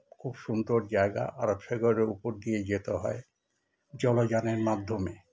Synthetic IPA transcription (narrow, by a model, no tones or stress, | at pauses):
kʰubʃund̪oɾd͡ʑaeɡa̰ʔaɾobʃeɡɔɾeupoɾd̪ied͡ʑet̪oɦɔ̰e | d͡ʑɔlod͡ʑaneɾmad̪ʱːome